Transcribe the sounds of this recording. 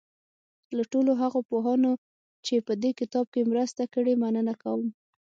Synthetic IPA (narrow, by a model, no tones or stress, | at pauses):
laʈoloɦaɣopoɦɑno | t͡ʃepəd̪ekɪt̪ɑb̚kemɾəst̪akəɽemanənakawəm